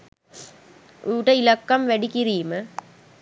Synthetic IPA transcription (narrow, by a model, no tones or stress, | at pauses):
ʔuːʈɐɪlɐkːɐmʋɛɽɪkːɪɾiːmɐ